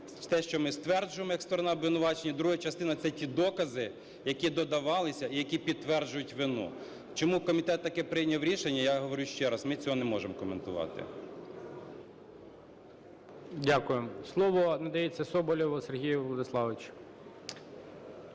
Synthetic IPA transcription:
t̪ɛʃt͡ʃɔmɪst̪ʋɛrd͡ʒʊjemɔjɐkst̪ɔɾɔnɑɐbʋʲɪnʊʋɑt͡ʃenʲːɐd̪ɾuɦɐt͡ʃɐst̪ɪnɐt̪sɛtʲid̪ɔkɐzɪ | jɐkʲid̪ɔd̪ɐʋɑlˠɪsʲɐijɐkʲipʲid̪̚t̪ʋɛrd͡ʒʊjʊtʲʋɪnṵ | t͡ʃɔmukɔmʲit̪ɛt̪ːɐkɪpɾɪjnʲɐwɾʲiʃenʲːɐjaɦɔʋɔɾʲuʃt͡ʃɛɾɐsmɪt͡sʲɔɦɔnɛmɔʒemɔkɔment̪ʊʋɑ̰t̪ɪ̰ | dʲakʊjemslˠɔʋɔnɐd̪ɐjet͡sʲːɐsɔbɔlʲɔʋɔserɦʲijʊʋlˠɔd̪ɪslˠɑʋɪt͡ʃ

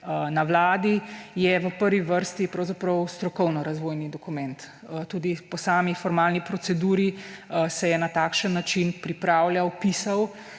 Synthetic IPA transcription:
naʋlaːd̪ijɛʋəpəɾʋiʋəɾst̪ipɾɔwzapɾɔwst̪ɾɔkɔwnɔɾazʋoːjnid̪ɔkumɛnt̪ | t̪uːd̪ipɔsaːmifɔɾmaːlnipɾɔsɛd̪uːɾisɛjɛnat̪aːkʃənːat͡ʃinpɾipɾaːwljawpiːsaw

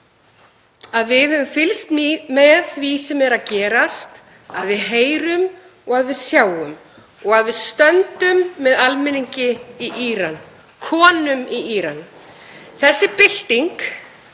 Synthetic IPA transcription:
aðvɪðɛvʏmfɪlst̪mɛðθvisɛmvɛɾacɛːɾast̪ | aðvɪðɦeːjɾʏm | ɔɣaðvɪðsjaːwʏm | ɔɣaðvɪðst̪œnt̪ʏmːɛðalmɪniɲcɪiʔiːɾan | kʰɔːnʏmiiːɾan | θɛsːɪpɪl̥t̪iŋk

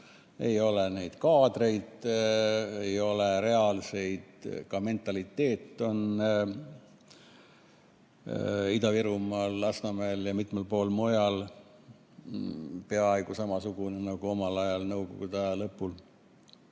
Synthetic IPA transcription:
e̞jo̞lene̞jd̪̥kɑːd̪̥re̞jd̪̥ | ejo̞leɾe̞ɑlse̞jd̪̥kɑme̞nt̪ːˑɑlit̪ːe̞ːt̪ːˑo̞n | id̪ɑviɾumɑːlːɑsnɑmeljɑmit̪mɑlpo̞ːlmojɑl | pe̞ɑɑjɡ̥usɑmɑsuɡ̥unenɑɡ̥uo̞mɑlɑjɑlnɤwɡo̰ɡ̥ud̪ɑjɑlɤpːul

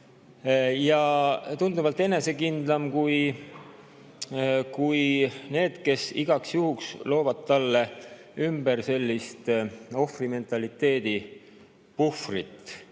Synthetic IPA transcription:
jɑt̪und̪umɑlt̪ːˑe̞ne̞se̞kind̪̥lɑmkuj | kujne̞ːd̪̥ke̞siɡ̥ɑksjuɦukslo̞ːvɑd̪̥̚t̪ːɑlːe̞ | ymb̥eɾse̞lʲːist̪o̞frime̞nt̪ˑɑlit̪ːˑe̞ːd̪̥i | pufrit̪ːˑ

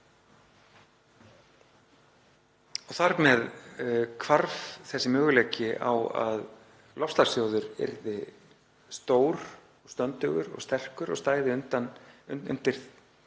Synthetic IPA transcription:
ɔθaɾmɛðkʰvaɾvθɛsːɪmœːɣʏlejcɪʔa̰wa̰ð | lɔfst̪aɾsjoːwðʏɾɛ̰ɾðɪ | st̪oːwɾ | ɔɣst̪œnt̪ʏɣʏɾɔ̰ɣst̪ɛr̥kʏɾɔ̰ɣst̪aːjðɪʏnt̪anʏ̰nt̪ɪɾ̥θ

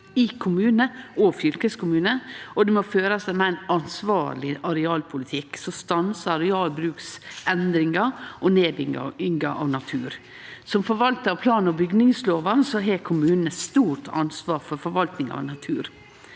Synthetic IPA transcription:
ɪkʰʊmʉːnəɔfjʏlkəskʊmʉːnəɔd̪ɛmoføːɾɑsæɪmɛæɪnɑnsʋɑːɭɪʔɑɾɛɑːlpʰʊlɪt̪ʰɪksɔst̪ɑnsɑɾɛɑːlbɾʉːksɛnd̪ɾɪŋɑʔɔneːd̪ɪŋɑ̰ʏŋɡɑʔɑ̰ːʋnɑt̪ʰʉːɾ | sɔmfɔɾʋɑlt̪əɾɑʋpʰlɑːnɔbʏɡnɪŋsloːʋɑsɔɦekʰʊmʉːnnəst̪uːʈʰɑ̰nsʋɑːɾfɔɾfɔɾʋɑlt̪nɪŋɑ̰ʋnɑt̪ʰʉːɾ

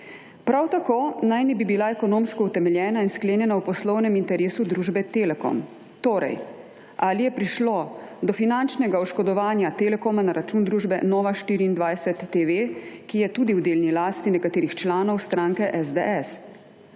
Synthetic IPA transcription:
pɾawt̪akoːnajnɛbibilaɛkɔnoːmskɔut̪ɛmɛljɛːnainskleːnjɛnawpɔslɔwnɛmint̪ɛɾeːsud̪ɾuːʒbɛt̪eːlɛkɔ̰m | t̪oːɾɛ̰j | ʔalijɛpɾiʃlod̪ɔfinant͡ʃnɛɡaɔʃkɔd̪ɔʋaːnjat̪elɛkoːmanaɾat͡ʃuːnd̪ɾuːʒbɛ̰nɔːʋaʃt̪iːɾiːnd̪ʋajsɛt̪ːeʋekijɛt̪uːd̪iwd̪eːlnilaːst̪inɛkat̪eːɾixt͡ʃlaːnɔwst̪ɾaːŋkɛʔɛzd̪ḛʔɛs

